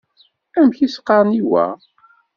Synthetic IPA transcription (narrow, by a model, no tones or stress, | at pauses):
æmçisqːɑɾˤniwæ̰